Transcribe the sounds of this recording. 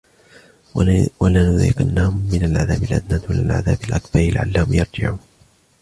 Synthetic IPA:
walanʊða̰ːɪqanːaːʊmːɪnalʕaða̰ːbalʔa̰d̪naːd̪wala̰lʕa̰ðaːbalʔakbɑɾlɪʕa̰lːaːhʊmjɑɾˤd͡ʒɪ̰ʕuːn

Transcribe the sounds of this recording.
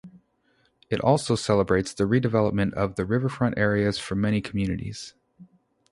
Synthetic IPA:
ɨɾʔɔ̰lˠsoʊsɛlˠəbɹeɪtsðɨɹidɨvɛlˠəp̚mɨ̃ntʌvðɨɹɪvə˞fɹʌ̃nʔɛɹiɨz̥fə˞mɛñikʰm̩jʉnɨ̰ɾḭz̥

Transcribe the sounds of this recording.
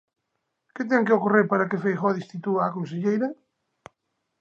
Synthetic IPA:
ket̪̬ɛŋkeokoreɾpaɾakefejxɔðist̪it̪uaːkõns̬eʎejɾɐ

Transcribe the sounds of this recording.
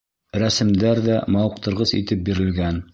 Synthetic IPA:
ɾæsɘ̆md̪æɾðæmɑwɤ̆q̚t̪ɤ̆ɾʁɤsḭt̪ɘp̚biɾɘ̆lɡæn

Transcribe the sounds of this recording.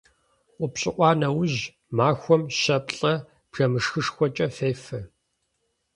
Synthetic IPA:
ʔʷʊpɕʼɪʔʷɑːnɐwʑ | maːxʷɔmɕɐp̚ʼɬʼɐ | b̥r̥ɐmɨʂxɨʂxʷɔt͡ʃʼɐfeːfɐ

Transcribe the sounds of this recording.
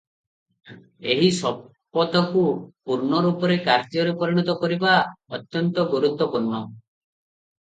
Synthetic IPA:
eɦisɔ | pːɔt̪ɔkupuɾɳɔɾupɔɾekaɾt̪jɔɾepɔɾiɽ̃ɔt̪ɔkɔɾibaɔt̪jɔnt̪ɔɡoɾut̪wɔpuɾnɔ

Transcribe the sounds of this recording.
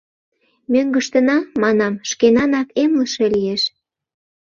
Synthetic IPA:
mʲøŋɡəʃt̪ənɑmɑnɑmʃkenɑnɑkemləʃe̽lijeʃ

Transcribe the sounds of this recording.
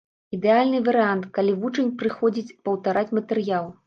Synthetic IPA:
id̪ɛalʲnɨvɐɾɨant̪kalʲivut͡ʂɐnʲpɾɨxɔd͡zʲit͡sʲpɐwt̪aɾat͡sʲmɐt̪ɛɾɨjalˠ

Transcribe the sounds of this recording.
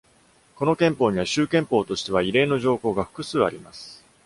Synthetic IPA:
ko̞no̞kẽ̞mpo̞ːɲ̟iβaɕɨːkẽ̞mpo̞ːt̪o̞ɕi̥t̪e̞βaiɾe̞ːno̞ʑo̞ːko̞ːɡaɸɯ̟̥kɯ̟sɨːaɾʲimasɨ̥

